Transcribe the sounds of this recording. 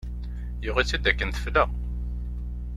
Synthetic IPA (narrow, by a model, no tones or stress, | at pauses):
jʊʁit͡sːæd̪ːækːənθə̥fləʁ